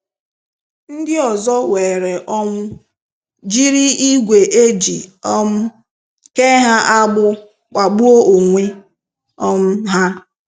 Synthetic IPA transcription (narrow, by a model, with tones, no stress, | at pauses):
n̩˦dɪ˦ɔ˨zɔ˦we˨ɾe˨ʔɔ˦m̩˦ | d͡ʒi˦ɾi˦i˦ɡʷe˨ʔe˦d͡ʒi˨ɔ˦m̩˦ | ke˦ɦa˦ʔa˦ɡ͡bʊ˦ | k͡pa˨ɡ͡bu˦o˦o˨ŋʷe˦ | ɔ˦m̩˦ɦa˦